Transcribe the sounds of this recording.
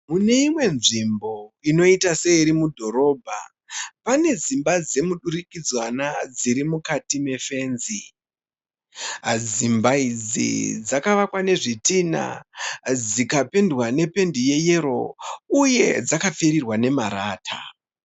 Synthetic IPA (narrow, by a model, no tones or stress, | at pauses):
mune̞imwe̞nʐimbo̞ino̞itase̞iɾimudʱo̞ɾo̞ːbʱa̰ | pane̞zimbad͡ze̞muɗurikid͡zwanad͡ziɾimukatime̞fe̞ːnzi | ɦad͡zimbaid͡zḭd͡zakaʋakwane̞ʐitina̰d͡zikape̞ndwane̞pe̞ndije̞je̞ɾo̞uje̞d͡zakafeɾirwane̞maɾaːtʰa̰